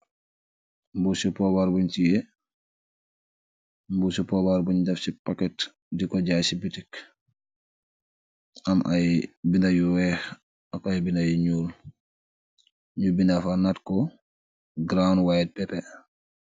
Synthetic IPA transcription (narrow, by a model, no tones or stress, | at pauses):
mbusupɔbaɾbuɲtijɛ | mbusupɔbaɾbuɲdafsipakɛt | dikɔd͡ʒasibitik | ʔamʔajbindajuwɛx | akajbindajɲuːl | ɲubindafanatkɔ | ɡɾawnwajɛt̚pɛpɛ